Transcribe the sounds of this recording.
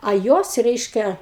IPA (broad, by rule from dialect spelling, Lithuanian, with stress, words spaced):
ɐ ˈjuɔs ˈrʲɛɪʃʲkʲɛ